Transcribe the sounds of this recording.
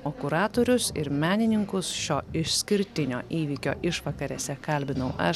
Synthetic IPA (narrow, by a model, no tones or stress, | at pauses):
oːkʊɾɑːt̪oːɾʲʊsɪ̰ɾmʲæːnʲɪnʲɪŋkʊsʃʲoːɪʃsʲkʲɪɾʲt̪ʲɪnʲo̰ːʔiːʋʲiːkʲo̰ːʔɪʃʋɐkɐɾʲɛsʲɛkɐlʲbʲɪnɐʊʔɐ